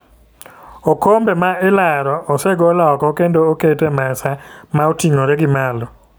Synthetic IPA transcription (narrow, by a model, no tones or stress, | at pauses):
okombemaɪlaɾɔʔːseɡɔlaɔkɔkendoːketemasamaotiŋoɾɛɡɪmalɔ